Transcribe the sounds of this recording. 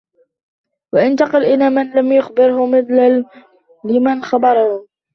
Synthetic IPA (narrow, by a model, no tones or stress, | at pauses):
waʔɪnt̪ɑqɑlʔɪnaːmanlamjʊxbɪɾhʊmɪθlaː | ɪmanxabɑɾˤɑhʊ